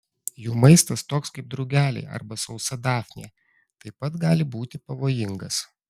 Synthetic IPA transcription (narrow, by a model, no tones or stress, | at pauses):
juːmɐɪst̪ɐst̪oːkskɐɪp̚d̪ɾɐʊɡʲæːlʲɛ̰ːʔɐ̰ɾbɐsɒʊsɐd̪ɑːfʲnʲḛː | t̪ɐɪpɐt̪ɡɑːlʲɪbuːt̪ʲɪpɐʋoːjɪŋɡɐs